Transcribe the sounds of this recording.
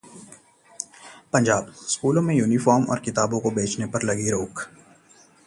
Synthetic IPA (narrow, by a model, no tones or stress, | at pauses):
pɐ̃ɲd͡ʒaːbskuːlõmẽjuːnifɔːɾmɔ̰ːɾkɪt̪aːbõkobeːt͡ʃnepɐɾlɐɡiɾoːk